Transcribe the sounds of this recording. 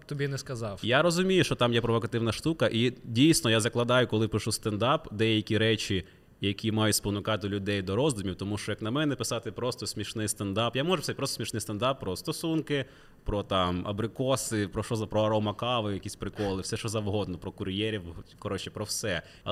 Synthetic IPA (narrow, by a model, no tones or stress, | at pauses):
t̪ɔbʲinɛskɐzɑwjaɾɔzʊmʲijʊʃt͡ʃɔt̪ɑmjɛpɾɔʋɔkɐt̪ɪwnɐʃt̪ukɐʔidʲijsʲnɔjazɐklˠɐd̪ɑjʊkɔlˠɪpɪʃust̪ɐnd̪ɑpd̪ɛjɐkʲiɾɛt͡ʃi | jɐkʲʰimɑjʊspɔnʊkɑt̪ɪlʲʊd̪ɛjd̪ɔɾɔzd̪ʊmʲiwt̪ɔmuʃt͡ʃɔjɐknɐmɛnɛpɪsɑt̪ɪpɾɔst̪ɔsʲmʲiʃnɪjst̪ɐnd̪ɑpjamɔʒʊsɛt̚ʲpɾɔssmʲiʃnɪjst̪ɐnd̪ɑpːɾɔst̪ɔsunkɪ | pɾɔt̪ɑmɐ̰bɾɪkɔsɪpɾɔʃɔzɐpɾɔɐɾɔmɐkɑʋɪjɐkʲisʲpɾɪkɔlˠɪfsɛʃt͡ʃɔzɐwɦɔd̪nɔpɾɔkʊɾʲjɛɾʲiwkɔɾɔt͡ʃɛ̥pɾɔwsɛ